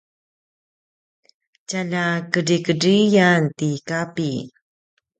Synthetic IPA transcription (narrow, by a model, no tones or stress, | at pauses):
calakəɾikərijantikapi